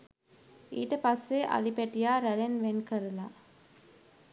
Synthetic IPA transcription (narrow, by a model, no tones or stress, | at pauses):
ḭːʈəpasːeʔa̰lipæʈijaːɾælenʋenkəɾəla